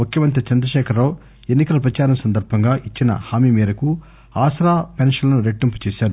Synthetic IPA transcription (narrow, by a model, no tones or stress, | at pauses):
mukjɐmɐnt̪ɾit͡ʃɐnd̪ɾɐʃɛːkʰɐɾːoːw | enːikɐlɐpɾɐt͡ʃaːɾɐmsɐnd̪ɐɾbʱɐŋɡaːʔit͡ʃːinɐ̰haːmimiːɾɐku | aːsɾaːpɛnʂɐlɐnuɾeʈːimput͡ʃɛːʃaːɾu